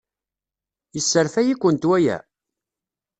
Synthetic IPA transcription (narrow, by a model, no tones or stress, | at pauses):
jəsːəɾθæjikʷːənt̪wæjæ̰